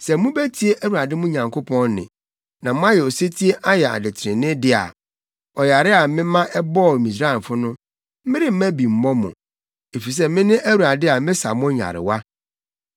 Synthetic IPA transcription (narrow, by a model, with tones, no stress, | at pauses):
sɛ˨mũ˦bæ˦tʰi˦e˦ʔæ˦wu˨a˨dɪ˦mʊ̃˦ɲã˨ŋkʰo˦pʰɔ̃˦nnɪ̰̃˨ | nã˨mʊ̃˦a˦jɛ˨o˨se˦tʰi˦e˦ʔa˦jɛ˨a̰˨dɪ˨tʰɪ̃˨nɪ̃˦dɪ˦a̰˨ | ɔ˨ja˨ɾɪ˦a˨mɪ̃˦mã˦ʔɛ˦bɔ˦˨mĩ˨sɾa˦˨fʊ˦nʊ̃˦ | m̩˦mɪ̃˦ɾɪ˦m̩˦mæ̃˦bi˨m̩˦mɔ̃˦mʊ̰̃˨ | e˨fi˨s̬ɛ˦mɪ̃˦nɪ̃˦ʔæ˦wu˨a˨dɪ˦a˨mɪ̃˦sa̰˨mʊ̃˦ɲa̰˨ɾɪ̰˨wa˦